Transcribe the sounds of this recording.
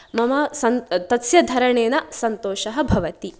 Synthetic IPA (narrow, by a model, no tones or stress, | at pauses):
mɐmɐsɐnt̪ɐt̪sjɐd̪ʱɐɾɐɳeːnɐsɐnt̪oːʃɐɦɐ̆bʱɐʋɐt̪i